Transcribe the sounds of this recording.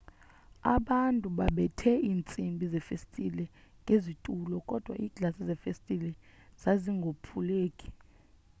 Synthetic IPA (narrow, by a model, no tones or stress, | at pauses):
a̰ɓantʼuɓaɓɛtʰɛiːnt͡sʼimbʱizɛfestʼilɛŋɡʱezitʼulɔkʼɔd̥ʱwa̰ʔiːɡ̥ʱlasizɛfestʼilɛz̥aziŋɡʱopʰuleːkʼi̥